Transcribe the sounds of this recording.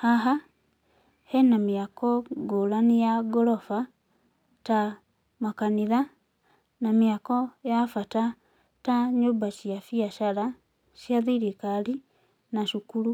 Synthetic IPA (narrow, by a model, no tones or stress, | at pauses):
haɦa | henamiakɔɡolanijaɡolofa | ta | makaniða | namiakojafata | taɲubaʃjafiaʃala | ʃjaðiɾikali | naʃukulu